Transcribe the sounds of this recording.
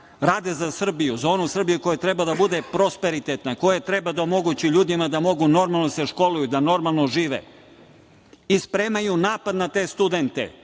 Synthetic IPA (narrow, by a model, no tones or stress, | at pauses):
ɾaːd̪e̞zasr̩bijuzoːnusr̩bijuko̞jat̪ɾebad̪abud̪e̞pɾospe̞ɾit̪et̪nako̞jet̪ɾebad̪aomo̞ɡut͡ɕiʎuːd̪imad̪amo̞ɡuno̞ɾmalˠnose̞ʃko̞lujud̪ano̞ɾmalˠnoʒiːʋḛ | ispɾe̞ːmajunaːpad̪nat̪e̞st̪ud̪e̞nt̪ḛ